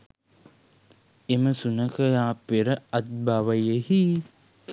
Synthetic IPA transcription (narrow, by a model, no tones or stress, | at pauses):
eməsunəkəjaːpeɾəɐt̪̚baʋəjəhi